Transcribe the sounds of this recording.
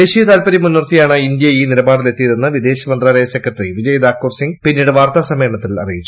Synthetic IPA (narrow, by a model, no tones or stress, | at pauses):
d̪e̞ːɕijɐt̪aːlpɐɾimunːurt̪ijaːɳɨind̪jɐiːniɾɐbaːɽile̞t̪ːijðenːɨʋid̪e̞ːɕɐmɐnd̪raːlɐjɐsekːɐʈriʋid͡ʑɐjɐd̪aːkːuːrsiŋɡpinːiːɽeʋaːrt̪aːsɐmeːrɳɐt̪ːilɐ̰rijit͡ɕːu